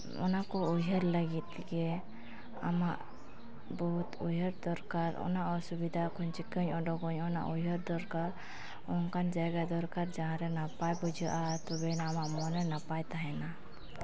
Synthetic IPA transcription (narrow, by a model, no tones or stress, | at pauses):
ɔ̰nakɔuɦəɾləɡit̪̚ | kɛ | a̰maʔ | bɔɦut̪ujɦəɾd̪ɔɾkaɾɔ̰naʔɔsubid̪ʱakʰɔɲt͡ʃikəɲɔɖɔkɔɲɔna̰ʔujɦəɾd̪ɔɾkaɾ | ɔnkand͡ʒajɡad̪ɔɾkaɾd͡ʒaɦãɾɛnapajbud͡ʒʱuʔat̪ɔbɛnamaʔmɔnɛnapajt̪aɦɛna